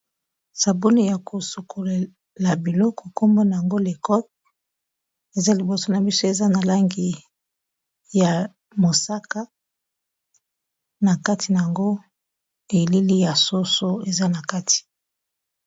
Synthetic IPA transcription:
sa˨bu˦ni˦ja˨kʰo˨su˨kʰo˨le˨ | la˨bi˨lɔ˦ko˨ko˦mbo˦na˨ja˨ŋɡo˦le˨kɔ˦t | e˨za˦li˨bo˨so˦na˨bi˦so˦e˨za˦na˨la˦ŋɡi˨ | ja˨ | mo˨sa˦ka˦ | na˨ka˦tʰi˨na˨ja˨ŋɡo˦ | e˨li˦li˦ja˨so˦so˦e˨za˦na˨ka˦tʰi̥˨

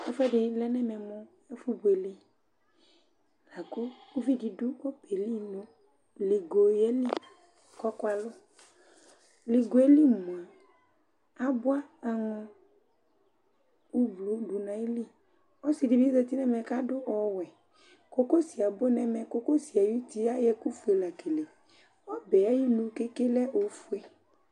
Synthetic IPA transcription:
ɛ˦fɛ˦ɖɪ˨lɛ˦nɛ˦mɛ˨mʊ̃˦ | ɛ˦fu˦bo˨e˨li˦ | la˨ko˦u˦vi˦di˨dʊ˦wɔ˦pe˨li˦nõ˨˦ | li˨ɡo˨je˦li˦ | kɔ˦kʊ˦a˨lʊ˦ | li˨ɡo˨e˦li˦mõ˨a˨ | a˦bʊ˦a˦a˨ŋɔ̃˨ | u˦blu˨˦ɖu˨nã˨i˦li˦ | ɔ˦si˨di˨bi˦zɛ˨t̪i˦nɛ˦mɛ̃˨ka˦dʊ˦ʔɔ˨wɛ˨ | ko˦ko˦si˨a˨bo˦nɛ˦mɛ̃˨ko˦ko˦si˨a˨ju˦t̪i˦a˦jɛ˦ku˦fu˨e˨la˨ke˨le˨ | ɔ˦bɛ˨a˦ji˦nũ˨ke˦ke˦lɛ˦ʔo˨fu˦e˦

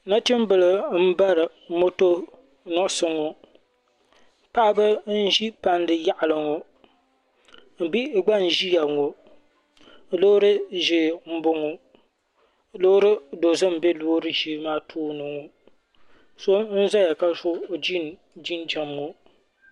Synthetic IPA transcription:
na˦tɪ˦m˦bɨ˨lɨ˨m̩˦ba˦ɾɨ˨ | mo˦to˦ | nɔ˦ʔsɨ˦ŋo˨ | pa˦ʔbɨ˦n̩˦ʒi˦pa˦ndɨ˨ja˦ʔa˨lɨ˨ŋo˨ | m̩˨bi˦ɡ͡ba˦n̩˨ʒi˦ja˨ŋo˨ | loː˦ɾɨ˦ʒi˨m̩˦bʊ˦ŋo˨ | lo˦ɾɨ˦do˨zɨ˦m̩˨be˦loː˦ɾɨ˦ʒi˦maː˦tʰoː˦nɨ˨ŋo˨ | so˦n̩˦za˦ja˨ka˦sʊ˦˨d͡ʒi˦n | d͡ʒi˦nd͡ʒa˨mŋo˨

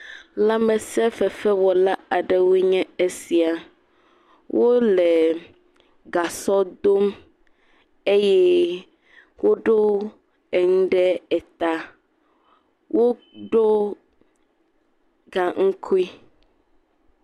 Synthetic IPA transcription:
la˦mɛ̃˨sɛ˦fɛ˨fɛ˦wɔ˨la˦a˨ɖɛ˦wo˦ɲɛ̃˦e˦si˨a˨ | wʔo˦lɛ˨ | ɡa˨sɔ˦d̪o˦m | e˦jɛ˦ | wo˦ɖo˦ | ɛ˨ŋũ˦ɖɛ˦ɛ˨t̪a˦ | wo˦ | ɖo˦ | ɡa˨ŋ̩˦kʰu˦i˦

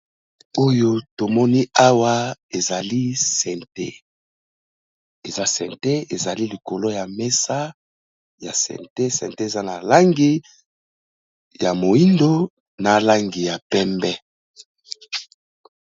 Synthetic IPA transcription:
o˦jo˦to˨mɔ˦ni˦a˦wa˦e˨za˨li˦sɛ˨nte˦ | e˨za˦sɛ˨nte˦e˨za˨li˦li˨ko˨lo˦ja˨me˦sa˦ | ja˨sɛ̰˨nte˦sɛ̰˨nte˦e˨za˦na˨la˦ŋɡi˦ | ja˨mo˨i˦ndo˦ | na˨la˦ŋɡi˨ja˨pɛ˦mbɛ˦

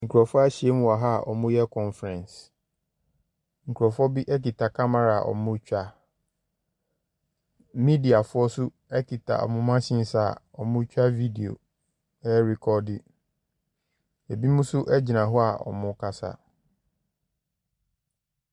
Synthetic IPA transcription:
ŋ̩˨kʰu˨ɾɔ˨fɔ˦a˦ɕi˨e˦mũ˦a˨ɦa˦˨ʔɔ̰˨mʊ̃˦jɛ˦kʰɔ̃˨nfɾɛ̃˨ns | ŋ̩˨kʰu˨ɾɔ˨fɔ˦bi˦ʔɛ˦ki˨tʰa˨kʰa˦ma˨ɾa˨ʔɔ̰˨mʊ̃˦t͡ɕᶣa˦ | mĩ˦di˨a˨fʊ˦ɔ˦sʊ˦ | ɛ˦kʰi˨tʰa̰˨ɔ̰˨mʊ̃˦mã˦ɕɪ̃˦n˦sa˦˨ɔ˨mʊ̃˦t͡ɕᶣa˦vi˦di˨o̰˨ | ɛ˦ɾi˨kʰɔ˦dɪ˦ | ɛ˨bi˦mʊ̃˦sʊ˦ʔɛ˦d͡ʑi˨nã˨ɦʊ˦a˨ʔɔ̰˨mʊ̃˦kʰa˦sa̰˦

